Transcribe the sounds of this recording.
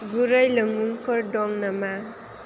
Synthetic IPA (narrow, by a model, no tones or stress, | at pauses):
ɡuɾʌjləŋuŋkʰɔɾdɔŋnama